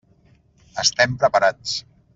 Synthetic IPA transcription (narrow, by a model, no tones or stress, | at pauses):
əst̪ɛmpɾəpaɾat͡s